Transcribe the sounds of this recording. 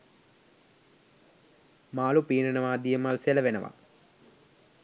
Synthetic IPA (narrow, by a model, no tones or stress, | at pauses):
maːlupiːnɐnɐʋaːd̪ijɐmalselɐʋenɐ̰ʋa̰